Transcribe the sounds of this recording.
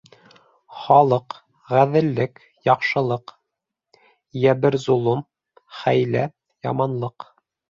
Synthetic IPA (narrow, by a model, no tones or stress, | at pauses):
χɑlˠɤq | ʁæðɘ̆lːɘk | jɑqʃɤ̆lˠɤq | jæbɘɾzolˠum | χæjlæ | jɑmɑnlˠɤq